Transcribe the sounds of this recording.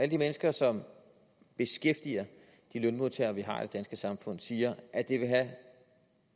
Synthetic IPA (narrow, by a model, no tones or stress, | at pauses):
æləd̥imenəsɡ̥ɐsɒ̽m | b̥e̝sɡ̥efd̥ḭɐ | d̥ilønmo̝ðˠt͡sʰeːɐʋiɦɑ̈ḭd̥e̝d̥ænsɡ̥əsɑ̈mfɔ̽n̰siːɐʔæd̥e̝ʋe̝ɦæ